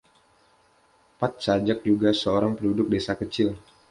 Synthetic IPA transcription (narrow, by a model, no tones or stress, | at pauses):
pat̪̚sad͡ʒak̚d͡ʒuɡasəoɾaŋpəndudʊk̚desakət͡ʃɪl